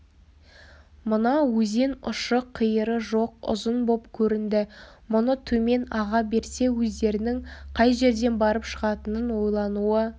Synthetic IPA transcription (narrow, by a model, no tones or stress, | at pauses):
mʊnɑwɵze̞nʊ̰ʃəqʰːijəɾəʒo̞q̚ʊ̰zənbo̞pkʲʰɵɾɪnd̪ɪ | mʊnət̪ʰɵme̞nɑʁɑbe̞ɾse̞wɵzd̪e̞ɾɪnɪŋqʰɑjʒe̞ɾd̪e̞nbɑɾəpʃəʁɑt̪ənənwo̞jlˠɑnuə